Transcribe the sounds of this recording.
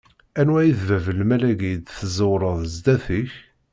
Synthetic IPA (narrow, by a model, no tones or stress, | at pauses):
ænwæjəθvævəlmælæɡid̪θəzowɾˤəðˤzd̪æθiç